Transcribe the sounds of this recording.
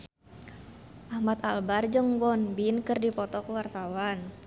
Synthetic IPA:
ʔahmat̪albard͡ʒəŋwɔnbinkərdipɔt̪ɔkuwarsawan

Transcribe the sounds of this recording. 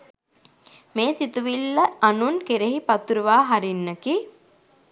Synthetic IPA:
meːsit̪uʋilːəanunkeɾeɦipɐt̪uɾuʋaːɦaɾinːəki

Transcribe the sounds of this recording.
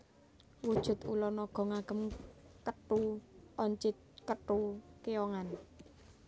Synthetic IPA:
wud̥ʒ̥ʊ̤t̪ulɔnɔɡ̥ɔ̤ŋaɡ̥ə̤mkəʈuɔɲt͡ʃɪt̪̚kəʈukejɔŋan

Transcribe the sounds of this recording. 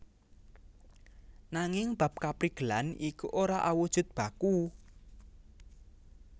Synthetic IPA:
naŋɪŋb̥a̤p̚kapɾiɡ̥əlanikuʔoɾaʔawud̥ʒ̥ʊ̤t̪̚b̥ä̤ku

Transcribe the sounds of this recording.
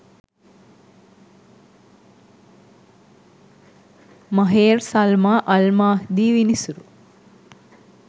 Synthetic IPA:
mɐɦeːɾsɐlmaːʔɐlmaːhd̪iːʋinisuɾu

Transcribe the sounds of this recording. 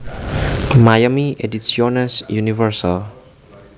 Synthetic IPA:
majamiʔedisionasjunifərsal

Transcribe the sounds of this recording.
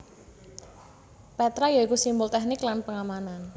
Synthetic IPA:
pɛt̪ɾajaikusimbʊlt̪ɛhnɪklanpəŋamanan

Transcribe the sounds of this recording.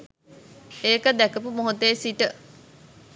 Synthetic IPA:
eːkəd̪ækəpumoɦot̪eːsiʈə

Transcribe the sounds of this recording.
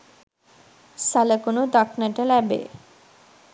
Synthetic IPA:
salakonod̪aknaʈalɛbḛ

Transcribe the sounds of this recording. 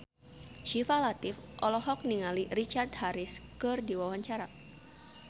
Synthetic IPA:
ʃifalat̪ɪfʔɔlɔɦɔk̚niŋalirit͡ʃard̪̚haɾɪskɨrdiwawaɲt͡ʃaɾa

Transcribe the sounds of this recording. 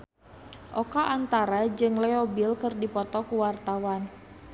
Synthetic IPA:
ʔɔkaʔant̪aɾad͡ʒɨŋlɛɔbilkərdipɔt̪ɔkuwart̪awan

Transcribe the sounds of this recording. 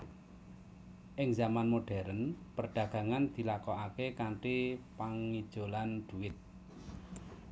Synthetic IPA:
ʔɪŋzamanmoɖ̥ɛ̤ɾənpərɖ̪̥ä̤ɡ̥a̤ŋand̪̥i̤lakɔakekaɳʈipaŋid̥ʒ̥o̤land̪̥ṳɪt̪̚

